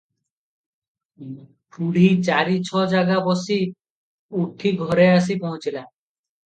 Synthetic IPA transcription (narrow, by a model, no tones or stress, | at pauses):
puɽ̤ʱit͡ʃaɾit͡ʃʰɔd͡ʒaɡabɔsi | uʈʰːiɡʱɔɾeas̬ipɔɦũt͡ʃʰila